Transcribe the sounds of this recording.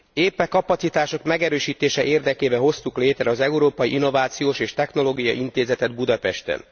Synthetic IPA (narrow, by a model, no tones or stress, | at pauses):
eːpːɛkɒpɒt̪sit̪aːʃo̞kmɛɡɛɾøːʃiːt̪eːʃɛʔeːrd̪ɛkeːbɛɦo̞st̪ukleːt̪ɾɛɒzɛuɾoːpɒjiʔinːo̞vaːt̪sijoːʃeːʃt̪ɛxno̞loːɡijɒ̰ʔint̪eːzɛt̪ɛd̪bud̪ɒpɛʃt̪ɛ̰n